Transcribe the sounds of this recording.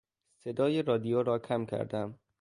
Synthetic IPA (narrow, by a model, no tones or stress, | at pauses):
se̞d̪ɒːjeɾɒːd̪ijoːɾɒːcʰæmcʰæ̰ɾd̪æm